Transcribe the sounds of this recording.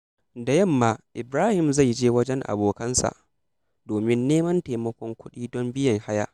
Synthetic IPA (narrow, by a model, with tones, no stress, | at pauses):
da˨jɐ˦˨mːaː˨˦ʔɪ˨bɾaː˦hɪ˨mza˦˨jd͡ʒeː˦wɐ˦d͡ʒɛ˦ŋʔa̰˨boː˨kɐ˦nsa̰˨ʔ | doː˨mɪ˦nːeː˦mɐ˦nta˨mɐ˦kʷɔ˦ŋkʷʊ˦ɗiː˦dɔ˦mbɪ˦jɐ˨ŋha˦ja̰ː˦ʔ